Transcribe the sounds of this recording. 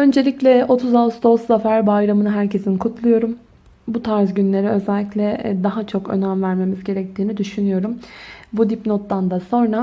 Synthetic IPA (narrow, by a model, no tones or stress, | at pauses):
ø̞nd͡ʒe̞lʲiclʲɛo̞t̪ʰuzavst̪ʰo̞sːafæɾbajɾamɯnɯɦæɾcʰe̞sinkʰut̪ʰlˠujo̞ɾum | but̪ʰaɾzɟynlʲe̞ɾiø̞zɛlʲːicʲlʲɛd̪aɦat͡ʃʰo̞kø̞̰nænvæɾme̞mizɟe̞ɾɛc̚t̪ʰiːnid̪yʃynyjo̞ɾumbud̪ipno̞t̪ːand̪aso̞nɾa